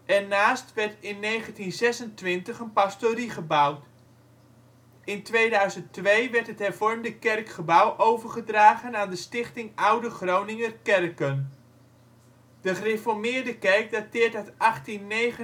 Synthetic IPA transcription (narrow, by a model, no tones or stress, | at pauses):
ʔɛɹnaːstʋɛɹtɪnːejχəntinzɛsəntʋɪntəχənpastoriχəbawt | ɪntʋejdœɥzəntʋejʋɛrɹtɦətɦɛrvɔrmdəkɛrkχəbawʔowvərχədraːχənaːndəstɪχtɪŋawdəχrownɪŋərkɛrkən | d̥əχərefɔɹmɪːrdəkɛrk̚datɪːɹtatɑχtinːejχə